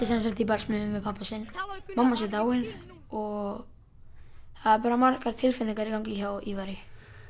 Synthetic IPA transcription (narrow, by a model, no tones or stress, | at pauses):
t̪ɪsɛns̬akt̪ipalsmʏðʏmvɛpʰapasɪnmamːasɪt̪̬awɪn | ɔɣ | θaðaɾpaːɾamaɾkaɾ̥t̪ʰɪlfɪlɪŋkaɾikawŋciçawivaɾɪ